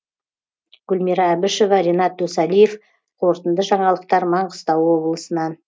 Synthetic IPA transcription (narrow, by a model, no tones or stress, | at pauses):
ɡ̥ʊlmiɾɑːbɪʃo̞vɑɾʲenɑt̪ːɵsɑlijef | qʰo̞ɾt̪ənd̪əʒɑɴɑlˠəq̚t̪ɑɾmɑɴqəst̪ɑwwo̞blˠəsənɑn